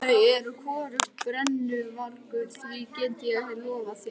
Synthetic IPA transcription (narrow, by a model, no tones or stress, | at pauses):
aɛɾkʰɔːɾʏxt̪̚pɾɛnːʏvaɾkʏɾ̥θvicɛːnt̪ɪjhɪlɔːvasjɛ